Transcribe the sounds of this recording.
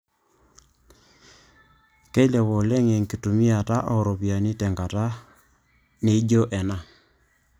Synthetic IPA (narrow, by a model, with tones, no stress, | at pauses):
ke˦lɛ˨βɔ˨lɛ˦ŋe˨ŋki˨tu˨mi˦a˨ta˦ʔɔ˨ɾɔ˨pja˨ni˦tɛ˨ŋɡa˨ta˦ | ne˨˦d͡ʒo˦ʔɛ˨na˨